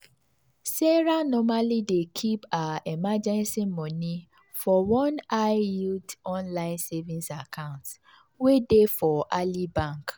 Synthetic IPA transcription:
seɾanɔmalidekʰipaemad͡ʒɛ̃nsimɔ̃nĩ | fɔwɔ̃naɪutɔ̃nlaɪ̃nsevĩnsakʰãʊ̃nt | wedefɔʔalibãŋk

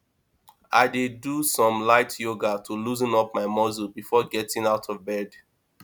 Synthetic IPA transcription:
ʔa̰ɪdedusɔ̃mlaɪtʰjoɡatʰuluzĩnɔpmaɪmɔzulbifɔɡɛtɪ̃ŋaʊtʰɔvbɛd

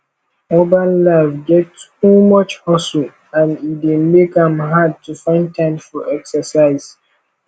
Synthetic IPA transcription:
mobalːavɡɛtumʌt͡ʃhɔsul | ãnit̚demekãmɦad̚tʰufãɪ̃ntʰãɪ̃mfɔʔɛksəsaɪz̥

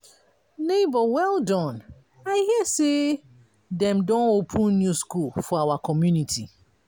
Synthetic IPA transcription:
nebɔwɛlˠdɔ̃n | aɪhiɛse | dɛ̃mdɔ̃nopʰũnnjuskulfɔawakʰɔmjunitʰi

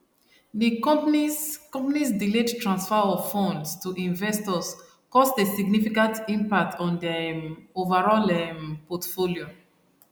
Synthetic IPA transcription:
dikɔpikɔ̃mpanisdiledtɹãnsfɛɔfɔ̃ndstuʔĩnvɛstɔs | kɔstesiɡnifikãntĩmpak̚tʰɔ̃ndɛovaɹɔlɛmpɔtfoljo

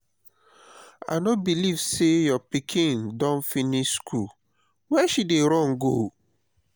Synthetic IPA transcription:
a̰nɔbilivsejɔpikʰĩndɔ̃nfiniʃskʰul | wɛʃideɾɔ̃ŋɡo

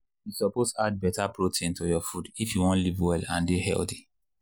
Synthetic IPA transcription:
jusɔpostad̚bɛtapɹotʰẽntojɔfudifjuwɔ̃ntlivwɛlã̰ndihɛ̰lθi̥

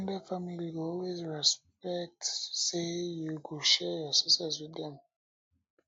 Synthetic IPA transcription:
ndəfamiliɔlwezɹɛspɛk̚tsejuɡuʃɛjɔsisɛswiðɛ̃m

